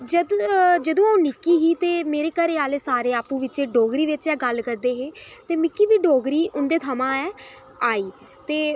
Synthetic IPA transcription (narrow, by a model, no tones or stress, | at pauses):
d͡ʒəd̪d͡ʒəd̪õːaũːnɪkːiːɦiːt̪eːmeːɾeːkəɾeːaːleːsaːɾeːaːpũːʋɪt͡ʃeːɖoːɡɾiːʋɪt͡ʃɛːɡəlkəɾd̪eːɦeːt̪eːmɪkːiːʋiːɖoːɡɾiːʔʊnd̪eːt̪ʰəmãːɛː | aːiː | t̪eː